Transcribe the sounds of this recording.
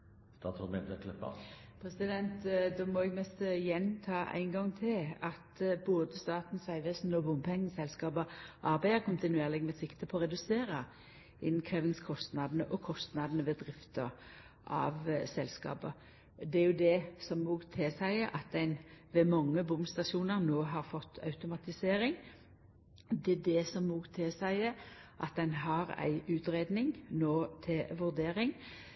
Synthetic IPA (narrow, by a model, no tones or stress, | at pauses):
st̪ɑːt̪sɔmɛt̪ət̪lɛpɑ̰ | pʰɾɛsɪd̪ɛnt̪d̪ɔmɔɛɡmɛst̪ɪjɛnt̪ʰɑːʔæ̰ɪŋɡɑŋt̪ʰɪlɑt̪boːd̪əst̪ɑːt̪n̩sæɪʋɛsnɔbʊmpʰɛŋːn̩sɛlskɑːbəʔɑɾbæɪəkʰʊnt̪ɪnʉeːʁlɪɡmɛsɪkt̪əpʰɔːɾɛd̪ʉseːɾə | ɪnn̩kʰɾeːʋɪŋskʰɔst̪nɑd̪n̩əʔɔkʰɔst̪nɑd̪nəʋɛd̪ʁɪft̪ə | ʔɑ̰ʋsɛlːskɑ̰ːpə | d̪ɛæɾjʊd̪ɛsɔmːuːɡt̪ʰɪsæɪəʔɑt̪̚d̪æɪnʋɛmɑŋːəbʊmst̪ɑʃuːnəʁnoːɦɑɾfɔt̪ːɑ̰ʉt̪ʊmɑt̪ɪseːɾɪŋ | d̪ɛd̪ɛsɔmːuːɡt̪ʰɪsæɪəʔɑt̪̚d̪ɛnɦɑɾæ̰ɪʔʉːt̪ɾeːd̪nɪŋnoːt̪ʰɪlʋʉʁd̪eːɾɪŋ